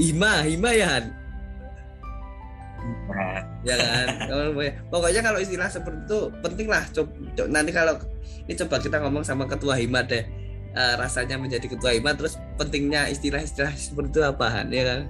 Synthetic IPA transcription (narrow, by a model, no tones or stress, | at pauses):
imaɦimajaɦan | jakankamaəmaɲapɔkɔɲakaloist̪ilahsəpərt̪it̪upənt̪ɪŋlaht͡ʃo | t͡ʃonant̪ikalo | init͡ʃobakit̪aŋɔmɔŋsamakət̪uaɦimadɛh | ʔəːɾasaɲaməɲd͡ʒadikət̪uaɦimat̪əɾʊs | pənt̪ɪŋɲaist̪ilahist̪ilahsəpərt̪it̪uapaɦa̰njakan